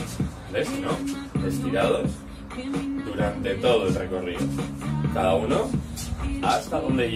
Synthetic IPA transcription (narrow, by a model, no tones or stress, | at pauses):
lesinoest̪iɾað̞os | d̪uɾant̪e̞t̪oð̞oelrekoriðokaðauno | ast̪aðond̪e